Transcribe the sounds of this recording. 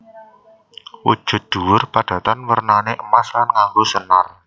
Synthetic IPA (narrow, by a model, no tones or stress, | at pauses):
wṵ̥ʒ̥ʊ̤t̪̚d̪̥ṳwʊrpaɖ̥ä̤t̪ɔnwərnaneʔəmaslanŋahusənar